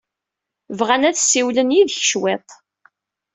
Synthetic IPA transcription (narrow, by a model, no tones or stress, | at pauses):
vʁænæθsːiwlənjiðçəʃwet̪ˤ